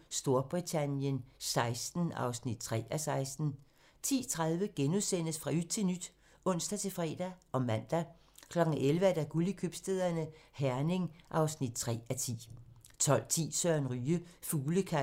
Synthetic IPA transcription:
sd̥o̝ɐb̥ʁit͡sʰænjənsɑ̈ɪsd̥n̩ɑ̰̈ʊsnid̥̚t͡sʰʁɛ̰ːæsɑ̈ɪsd̥n̩ | t͡sʰḭːt͡sʰʁäðˠʋəɡ̥enuðˠsen̰əsfʁɑ̈y̥t͡sʰe̝lnyd̥ | ɔ̽n̰sd̥æt͡sʰe̝lfʁɛ̰ːd̥æʔɒ̽mæn̰d̥æ | kʰlɒ̽ɡ̥n̩elʋəæd̥æɡ̥ulikʰøb̥sd̥eðˠɐnəhæɐne̝ŋʔɑ̈ʊsnid̥̚t͡sʰʁɛ̰ːæt͡sʰḭː | t͡sʰɒ̽l̰t͡sʰḭːsɶɐnʁyːəfuːləkʰæ

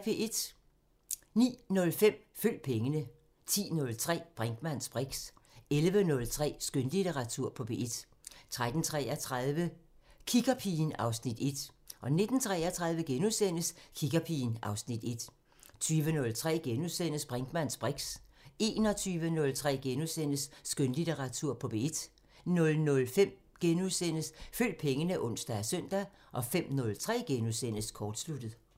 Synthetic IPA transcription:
b̥ʰe̝e̝d̥ | nḭːnɔ̽lfem̰fyl̰̚pʰeŋənə | t͡sʰḭːnɔ̽lt͡sʰʁɛ̰ːb̥ʁaŋɡ̥mæn̰sb̥ʁeɡ̥selʋənɔ̽lt͡sʰʁɛ̰ːsɡ̥ønlit͡sʰeʁɑ̈t͡sʰuɐ̰pʰɒ̽b̥ʰe̝ːe̝d̥ | t͡sʰʁad̥n̩t͡sʰʁɛæt͡sʰʁaðˠʋəkʰiɡ̥ɐpʰiːnɑ̈ʊsnid̥e̝d̥ | ʔɒ̽ne̝d̥n̩t͡sʰʁɛ̰æt͡sʰʁɑ̈ð̞ˠʋəɡ̥enuðˠsen̰əskʰiɡ̥ɐpʰiːnɑ̈ʊsnid̥e̝d̥ | t͡sʰyːʋənɔ̽lt͡sʰʁɛ̰ːɡ̥enuðˠsen̰əsb̥ʁaŋɡ̥mæn̰sb̥ʁeɡ̥se̝̰ːnɒ̽t͡sʰyːʋənɔ̽lt͡sʰʁɛ̰ːɡ̥enuðˠsen̰əsːɡ̥ønlit͡seʁɑ̈t͡sʰuɐ̰pʰɒ̽b̥e̝d̥ | nɔ̽lnɔ̽lfem̰ | ɡ̥enuðˠsen̰əsføl̰d̥̚pʰeŋənəʔɔ̽n̰sd̥æsœn̰d̥æ | ʔɒ̽fem̰nɔ̽lt͡sʰʁɛ̰ːɡ̥enuðˠsen̰əskʰɒːd̥slud̥ð̩ˠ

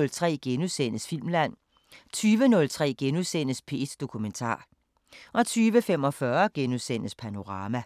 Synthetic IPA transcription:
lt͡sʰʁɛ̰ːɡ̥enusen̰əsfil̰mlæn̰ | t͡sʰyːʋənɔ̽lt͡sʰʁɛ̰ːɡ̥enuðˠsen̰əspʰe̝̰ːsd̥o̝kʰument͡sʰɑ̰̈ː | ʔɒ̽t͡sʰyːʋəfem̰ɒ̽fɶɐɡ̥enusen̰əspʰæno̝ʁɑ̈ːmæ

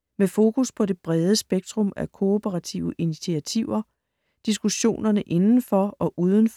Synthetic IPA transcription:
mefo̝ːkʰuspʰɒ̽d̥e̝b̥ʁɛð̞ˠəsb̥eɡ̥̚d̥ʁɔ̽mækʰo̝opʰəʁɑ̈t͡sʰḭʊəʔinit͡sʰiæt͡sʰiʊ̰ɐ | d̥isɡ̥uɕo̝̰ːnɐnəʔe̝nn̩fɒ̽ɒ̽ʔuːð̞ˠən̩f

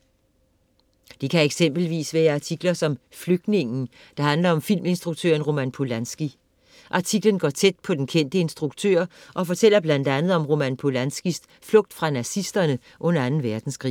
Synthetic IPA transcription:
d̥ikʰæeɡ̥sem̰b̥l̩ʋḭːsʋæːɐɑ̈t͡sʰiɡ̥lɐsɒ̽m | fløɡ̥̚ne̝ŋn̩ | d̥ɑ̈hænlɐɒ̽mfil̰me̝nsd̥ʁuɡ̥̚t͡sʰø̰ːɐnʁo̝mænpʰo̝lænsɡ̥i | ʔɑ̈t͡sʰiɡ̥lənɡ̥ɒ̰ːt͡sʰed̥̚pʰɒ̽d̥enkʰen̰d̥əe̝nsd̥ʁuɡ̥t͡sʰø̰ɐ̰ʔɒ̽fɒ̽t͡sʰel̰ɐb̥læn̰d̥ænð̩ˠɒ̽mʁo̝mænpʰo̝lænsɡ̥is | flɔ̽ɡ̥̚d̥fʁɑ̈næsisd̥ɐnə | ʔɔ̽nɐænn̩ʋæɐd̥n̩sɡ̥ʁḭː

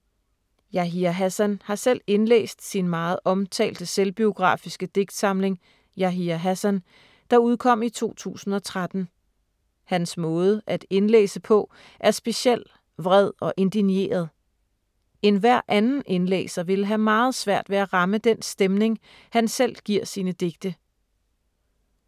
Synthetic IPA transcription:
jɑɦiæɦæsænhɑ̈sel̰e̝nlḛːsd̥sinmɑ̈ːð̞̩ˠʔɒ̽mt͡sʰɛ̰ːld̥əselb̥io̝ɡ̥ʁɑ̰̈ːfisɡ̥əd̥e̝ɡ̥d̥sɑ̈mle̝ŋ | jɑɦiæɦæsæn | d̥ɑ̈uð̞ˠkʰɒ̽m̰it͡sʰo̝̰ːt͡sʰṵːsn̩ɒ̽t͡sʰʁad̥n̩ | hænsmɔ̽ːð̞ˠəʔæd̥e̝nlḛːsəpʰɒ̽ | ʔæɐsb̥e̝ɕiel̰ | ʋʁɛð̞ˠɒ̽ʔe̝nd̥inje̝̰ːɐð̞̩ˠ | e̝nʋæɐ̰ʔænn̩ʔe̝nlḛːsɐʋe̝ləɦæmɑ̈ːð̞̩ˠsʋæɐ̰d̥ʋe̝æʁɑ̈məd̥ensd̥emne̝ŋ | hænsel̰ɡ̥iɐ̰siːnəd̥e̝ɡ̥̚d̥ə

